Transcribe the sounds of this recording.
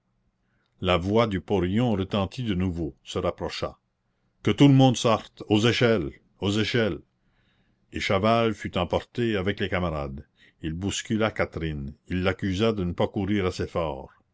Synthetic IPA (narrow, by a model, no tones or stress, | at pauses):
lavwad̪ypɔɾjɔ̃ɾət̪ɑ̃t̪ʰid̪ənuvosəɾapɾɔʃa̰ | kət̪uləmɔ̃d̪sɔʁt̪ozeʃɛl | ozeʃɛl | eʃavalfyt̪ɑ̃pɔʁt̪eavɛklekamaɾa̰d̪ | ilbuskʲylakat̪ɾinilːakyzad̪ənəpakuɾiːʁasefɔ̰ːʁ